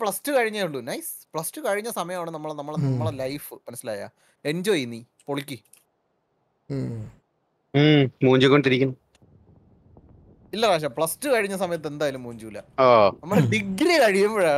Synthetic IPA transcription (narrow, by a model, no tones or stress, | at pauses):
pɭɐstɨkɐɻiɲːɐuɭːunɐjspɭɐstɨkɐɻiɲːɐsɐmɐjɐmaːɳɨnɐmːɐɭnɐmːɐɭɐmːɐɭelɐjfɨmɐnɐsːilaːja̰ | e̞ɲd͡ʑoːjinːi | poɭikʲːi | muːɲd͡ʑukːoɳɖ̪iɾikʲːunːɐ | ilːɐraːʂ̬ɐpɭɐstɨkɐɻiɲːɐsɐmɐjɐt̪̬ːe̞nd̪aːjɐlumːuːɲd͡ʑuːlɐ̰oːnɐmːɐɭeɖiɡɾikɐɻijɐmbɐɻa